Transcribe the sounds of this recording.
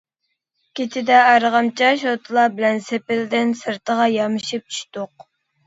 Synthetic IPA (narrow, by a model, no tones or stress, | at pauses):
kʲʰet̪ʰɪd̪ɛɑɾʁɑmt͡ʃʰɑʃot̪ʰɨlˠɑbɪlɛnsepɪld̪ɪnsɨɾt̪ʰəʁɑjɑmɨʃip̚t͡ʃʰy̥ʃt̪ʊq̚